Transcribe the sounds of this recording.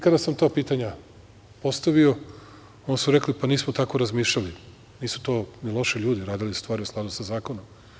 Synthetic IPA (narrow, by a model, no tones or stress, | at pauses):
ikad̪asamt̪oːpiːt̪aɲa | po̞st̪aʋio̞ | onsuɾeklipaniːsmot̪ako̞ɾazmiːʃʎali | niːsu̥t̪o̞ːnilˠo̞ʃiʎuːd̪iɾaːd̪ilisu̥st̪ʋaːɾiusklaːd̪usazaːkonom